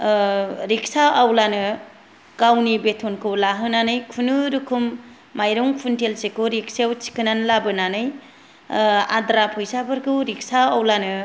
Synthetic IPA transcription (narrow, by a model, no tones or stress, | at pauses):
ɾik̚saʔawlanɯ | kawnibetʰɔnkʰɯwlaɦɯnanɯjkʰunɯɾukʰumː | ajɾɔŋpʰuntelsekɯɾik̚seawt͡ʃi̥kʰɯnanlabɯnanɯj | a̰dɾapʰujsabɯɾkɯɾik̚saawlanɯ